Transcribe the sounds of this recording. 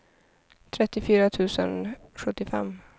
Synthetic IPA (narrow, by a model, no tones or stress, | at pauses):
t̪ʰɾɛt̪ːɪfyːɾat̪ʰʉ̟ːsə̰nɧɵt̪ːɪfɛ̰mː